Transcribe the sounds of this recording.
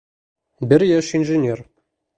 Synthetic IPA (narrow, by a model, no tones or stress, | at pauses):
bɘɾjæʃinʒɘnʲer